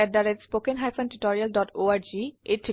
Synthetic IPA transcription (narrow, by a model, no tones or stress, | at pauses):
ɛʈ̚ɖaɾetspokenɦajfõnʈuʈɔɾialɖɔʈoaɾd͡ʑieʈʰ